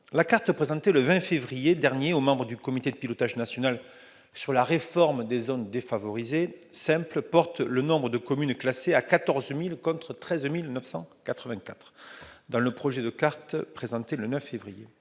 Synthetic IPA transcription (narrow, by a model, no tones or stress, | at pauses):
lakaʁt̪əpχezɑ̃t̪eləvɛ̃fevʁijed̪ɛʁnjeomɑ̃bʁəd̪ykɔmit̪ed̪əpilɔt̪aʒnasjɔnal | syʁlaʁefɔʁmd̪ezɔnd̪efavɔʁizesɛ̃pləpɔʁt̪lənɔ̃bʁəd̪əkɔmynklaseakat̪ɔʁzmilkɔ̃t̪χət̪χɛzmilnœfsɑ̰̃kat̪χəvɛ̃kat̪χd̪ɑ̃ləpχɔʒed̪əkaʁt̪pχezɑ̃t̪elənœfːevʁije